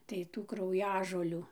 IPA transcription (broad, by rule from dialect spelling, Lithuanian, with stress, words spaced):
tɐɪ ˈtuː krɐʊˈjæːʒoːlʲuː